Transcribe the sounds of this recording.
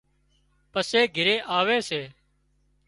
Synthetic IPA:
pəseːɡʱɪɾeːʔaːʋeːseː

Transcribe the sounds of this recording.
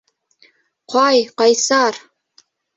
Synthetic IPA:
qɑjqɑjsɑr

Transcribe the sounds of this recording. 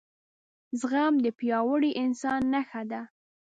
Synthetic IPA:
zɣamd̪əpjɑwəɽiʔɪnsɑnːaxad̪a

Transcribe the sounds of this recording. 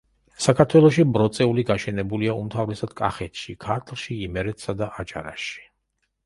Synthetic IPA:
sakʰaɾt̪ʰwɛlˠɔʃibɾɔt̪sʼɛuliɡaʃɛnɛbuliaumt̪ʰavɾɛsad̪̥kʼa̰χɛt̪ʰʃikʰaɾt̪ʰlˠʃiːmɛɾɛt̪ʰsad̪aʔat͡ʃʼa̰ɾa̰ʃi̥

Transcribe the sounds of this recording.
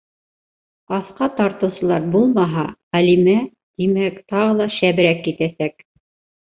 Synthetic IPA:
ɑθqɑt̪ɑɾt̪ɤ̆wsɤ̆lˠɑɾbulˠmɑɦɑʁælimæ | t̪imækt̪ɑʁɤlˠɑʃæβɘ̆ɾækːit̪æsæk

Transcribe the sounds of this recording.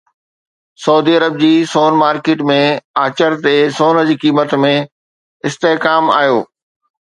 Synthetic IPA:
sɐuːd̪iːɐɾəb̚d͡ʑiːsoːnmaːɾkeːʈmẽaːt͡ɕəɾt̪esoːnə̆d͡ʑiːkiːmət̪mẽ | ɪst̪eɦkaːma̰ːjo̰ː

